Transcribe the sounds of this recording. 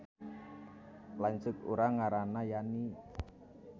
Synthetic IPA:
laɲt͡ʃʊkuɾaŋaɾanajani

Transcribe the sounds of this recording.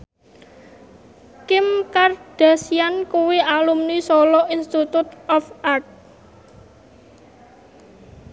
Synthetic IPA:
kɪmkard̥a̤siankuwiʔalumnisɔlɔʔinst̪it̪ut̪̚ɔfart̪̚

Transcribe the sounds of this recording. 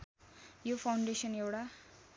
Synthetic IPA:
jopʰawɳɖesʌnewɽa

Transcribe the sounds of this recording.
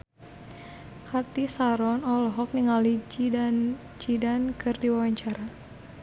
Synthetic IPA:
kʰat̪isaɾɔnɔlɔɦɔk̚niŋalid͡ʒ | d͡ʒidankɨrdiwawaɲt͡ʃaɾa

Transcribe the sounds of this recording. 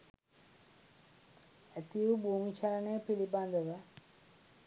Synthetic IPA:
æt̪ijubʱuːmit͡ʃalənəjəpiliband̪əʋə

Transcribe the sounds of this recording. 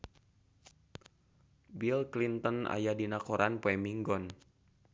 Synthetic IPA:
bilklint̪ɔna̰jadinakɔɾʔanpoɛmiŋɡɔn

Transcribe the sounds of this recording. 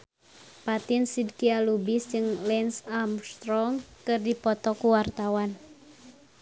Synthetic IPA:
pat̪insidkialubisd͡ʒɨŋlɛnsamst̪ɾɔŋkɨrdipɔt̪ɔkuwart̪awan

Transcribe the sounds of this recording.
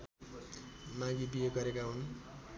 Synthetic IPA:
mãɡibijeɡʌɾekaɦun

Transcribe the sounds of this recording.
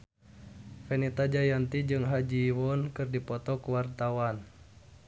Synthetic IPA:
fɛnit̪ad͡ʒajant̪id͡ʒɨŋɦad͡ʒiwɔnkɨrdipɔt̪ɔkuwart̪awan

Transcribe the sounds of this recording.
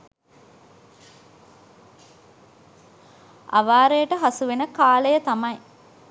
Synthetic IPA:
ʔɐ̰ʋaːɾejəʈəɦɐsuʋenəkaːlejət̪ɐmɐj

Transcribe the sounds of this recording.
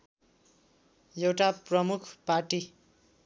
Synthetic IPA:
jewʈaprʌmukʰparʈi

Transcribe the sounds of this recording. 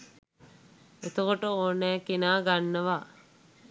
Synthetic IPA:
et̪əkoʈəoːnːɛːkinaːɡanːəʋa

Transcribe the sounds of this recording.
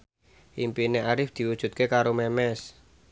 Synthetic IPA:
ʔimpineaɾɪfd̪̥i̤wud̥ʒ̥ṳt̪̚kekaɾomɛmɛs

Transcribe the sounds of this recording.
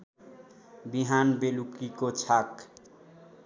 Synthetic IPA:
biɦanbelukikot͡sʰak

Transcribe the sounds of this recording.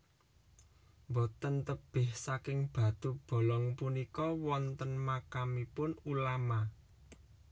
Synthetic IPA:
mbɔt̪ənt̪əb̥ɪhsakɪŋb̥ä̤t̪ub̥o̤lɔŋpunikɔwɔnt̪ənmakamipʊnulama

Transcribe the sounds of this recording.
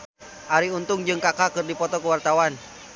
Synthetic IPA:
ʔaɾiunt̪ʊŋd͡ʒɨŋkakakɨrdipɔt̪ɔkuwart̪awan

